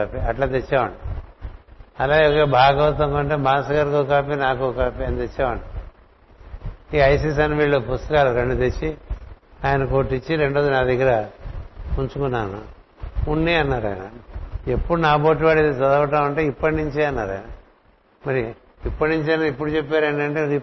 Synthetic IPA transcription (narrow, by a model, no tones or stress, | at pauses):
apiɐʈlaːt̪et͡ʃːaːʋɐɳi | ɐlaːɡeokeːbʱaːɡɐʋɐt̪ɐŋkɐɳʈeːbaːsɐɡaɾkokaːpinaːkoːkaːpiɐnit̪et͡ʃːaːʋɐɳʈi | iɐjs̬iːs̬ɐnʋiːɭːopust̪ɐkaːluɾeɳɖut̪et͡ʃːi | aːjɐnɐkoːʈːit͡ʃːiɾe̞ɳɖoːd͡ʒinɐd̪ʱiɡɐɾɐ | unt͡ʃukunːaːnṵ | unːiːɐnːaːɾɐ̰ːjnɐ̰epːuɽunaːboːʈ̬ːiʋaːɽit̪et͡ʃɐd̪ɐʋɐʈ̬aːmɐɳʈeːipːɐʈniɲt͡ʃeːɐnːaːɾɐ̰jnɐ | mɐɾi | ipːɐʈniɲt͡ʃeːnɐipːuɽut͡ʃepːeːɾɐɳɖɐɳʈeːɾi